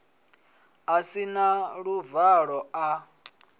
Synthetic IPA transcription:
asinaɺuvaɺɔa

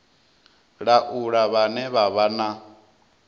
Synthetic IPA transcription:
ɺaʔuɺaβanɛβaβana

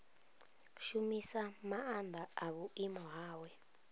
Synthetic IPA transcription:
ʃumisamaand̪ʱaaβuimɔɦaːwɛ

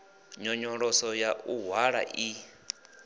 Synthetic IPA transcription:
ɲɔɲɔɺɔsɔjauɦwaɺa̰ʔi

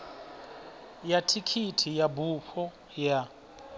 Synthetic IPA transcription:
jatʰikʰitʰijabuɸɔ | ja

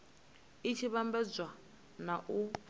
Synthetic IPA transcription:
it͡ʃʰiβambɛd͡zwa | naʔu

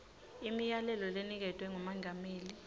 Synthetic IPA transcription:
imijalɛlɔlenik̬ɛtʰʼwɛŋɔmaŋʱameːli

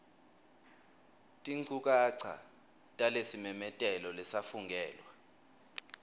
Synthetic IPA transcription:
tʼiŋ͡ǀuk̬ʼaǀʰa̰ | tʼalesimɛmɛtʼɛlɔlɛsafuŋɡʱɛːlwa

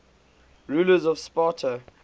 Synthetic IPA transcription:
ɹuːləzɔv̥spɑˑtʰə

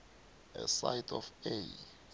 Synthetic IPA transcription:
ɛsajtʰɔfej

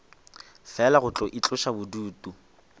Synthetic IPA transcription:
fɛlaɣʊt͡ɬʼɔʔit͡ɬʼʊʃabʊduːtʼu

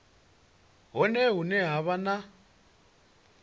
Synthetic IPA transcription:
ɦɔnɛɦunɛɦaβana

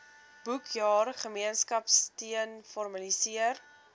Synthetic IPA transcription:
b̥ukʰjɑːrχəmiənskɐpstiənfɔrmɐlisiər

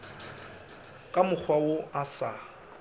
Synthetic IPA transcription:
kʼamʊk͡xʰwaoasa

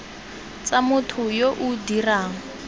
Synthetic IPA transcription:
t͡samʊtʰʊjoʔudiraːŋ̩

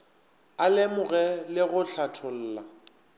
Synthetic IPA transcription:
alɪmʊɣɛlɪɣʊɬatʰʊl̩ːla

